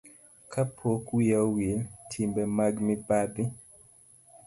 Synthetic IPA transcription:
kʰapʰokwiawiltʰimbɛmaɡmipadɪ

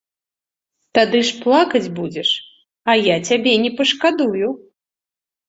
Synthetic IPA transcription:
t̪ad̪ɨʂplˠakɐd͡zʲbud͡zʲɛʂ | ɐjat͡sʲabʲɛnʲɛpɐʂkad̪uju

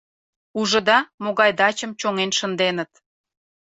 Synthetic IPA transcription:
uʒə̆d̪ɑmoɣɑjd̪ɑt͡ɕəmt͡ɕoŋenʃənd̪enət̪

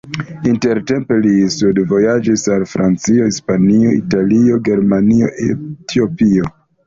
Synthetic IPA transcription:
inte̞ɾte̞mpe̞lisudvo̞jad͡ʒisalfɾant͡sio̞ispanio̞italio̞ɡe̞ɾmanio̞̰etʰio̞pio̞

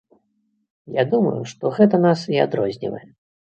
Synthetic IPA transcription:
jad̪umɐ̰juʂt̪ɔɣɛt̪ɐnasiad̪ɾɔzʲnʲḭvɐ̰jɛ

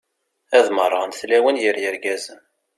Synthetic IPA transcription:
æðmərˤːɑnθlæwənjəɾjəɾɡæzən

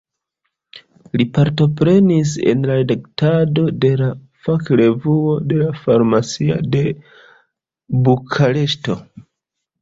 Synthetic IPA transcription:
lipaɾto̞pɾe̞nis̬e̞̰nlaɾedaktado̞de̞la | fakɾe̞vuo̞de̞lafaɾmasia̰de̞ | bukʰaɾe̞ʃto̞

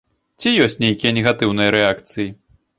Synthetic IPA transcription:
t͡sʲijɔsʲt͡sʲnʲejkʲijɐnʲɛɣat̪ɨwnɨjɐɾɛakt̪sɨji

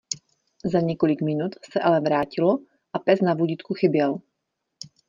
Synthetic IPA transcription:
zaɲɛko̞lɪkmɪnut̪sɛʔalɛvɾaːcɪlo | ʔapɛsnavuɟɪt̪kuxɪbjɛl

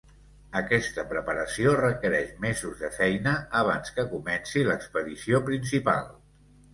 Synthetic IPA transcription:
əkɛst̪əpɾəpəɾəsiorəkəɾɛʃmezuzðəfɛjnəːβ̞anskəkumɛnsiləkspəðisiopɾinsipa̰lˠ

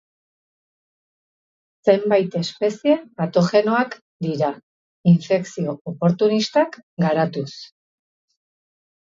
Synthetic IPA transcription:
se̞mbajt̪e̞spe̞sie̞pat̪o̞xe̞no̞ak | d̪iɾa | iɱfe̞ksio̞opo̞ɾt̪unist̪akɡaɾat̪us

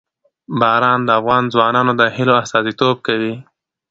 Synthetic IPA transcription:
bɑɾɑnd̪əafɣɑnzwɑnɑnod̪əhɪloast̪ɑzit̪ob̚kawi

